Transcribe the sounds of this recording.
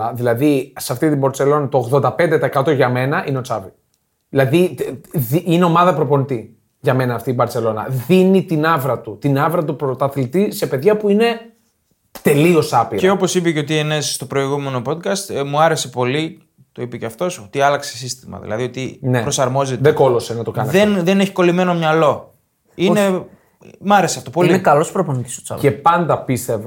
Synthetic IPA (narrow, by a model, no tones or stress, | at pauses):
ɐðilɐðisɐft̪it̪iboɾt͡se̞lo̞nɐt̪o̞ːɣðo̞nd̪ɐpend̪e̞t̪ɐekɐt̪o̞ʝɐme̞nɐʔineo̞t͡sɐvi | ðilɐðiðiine̞o̞mɐðɐpɾo̞po̞nit̪i | ʝɐme̞nɐːft̪iibɐɾt͡se̞lo̞nɐ̰ðinit̪inɐvɾɐt̪ut̪inɐvɾɐt̪̬upɾot̪ɐθlit̪ise̞pe̞ðʝɐpuine̞ | t̪e̞lio̞sɐpieo̞po̞sipeceo̞t̪̬ienesst̪o̞pɾo̞iɣume̞no̞po̞d̪kɐst̪muɐɾe̞se̞po̞li | t̪o̞ipeceɐft̪o̞sot̪iɐlɐksesist̪imɐ̰ðḭlɐ̰ðio̞t̪inepɾo̞sɐɾmo̞zet̪ðeko̞lo̞senɐt̪okɐnðenðe̞neçi̥ko̞lime̞no̞mɲɐlo̞ | ine | mɐɾe̞seɐft̪opolinkɐlo̞spɾoponici̥sot̪sɐ̰epɐnd̪ɐpist̪e̞v